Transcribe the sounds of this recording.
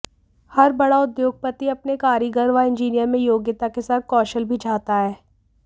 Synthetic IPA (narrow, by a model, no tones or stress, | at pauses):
hɐɾbɐɽaʊd̪joːɡ̚pət̪iɐpnekaːɾiɡəɾʋaɪ̃nd͡ʒiːnijəɾmẽjoːɡjɪt̪akesaːt̪̚kɔːʃəlbʱit͡ʃʰaːt̪aɦɛː